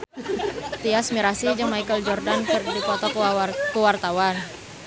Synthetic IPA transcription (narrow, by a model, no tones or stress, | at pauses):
t̪iasmiɾasid͡ʒəŋmajkəld͡ʒɔrdankɨrdikɔt̪ɔkəwart̪awan